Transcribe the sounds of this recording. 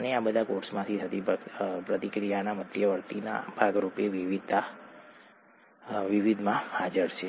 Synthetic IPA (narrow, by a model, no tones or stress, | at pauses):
əneabəd̪ʱakoɾsmãt̪ʰiɦət̪ipɾət̪ikɾijanamət̪ʰjəʋəɾt̪ina̰bʱaɡɾupeʋiʋid̪a | ʋiʋid̪ʱmãhad͡ʒəɾʃʰe